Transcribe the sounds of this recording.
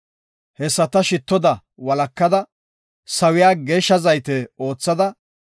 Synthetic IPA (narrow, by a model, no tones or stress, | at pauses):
hɛsːɐt̪ɐʃɪt̪ːɔd̪ɐ | wɐlɐkːɐd̪ɐ | sɐwɪjaːɡeːʃːɐzɐjt̪ɛo̞ːt͡sːɐd̪ɐ